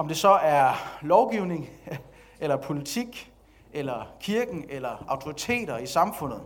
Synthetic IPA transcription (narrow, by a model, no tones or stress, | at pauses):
ɒ̽md̥e̝sɒ̽ʔæɐlɒʊɡ̥iʊne̝ŋ | elɐpʰo̝lit͡sʰiɡ̥ | elɐkʰiɐɡ̥n̩elɐɑ̈ʊt͡sʰo̝ʁit͡sʰe̝̰ːɾ̥ɐisɑ̈mfɔ̽n̰ð̞̩ˠ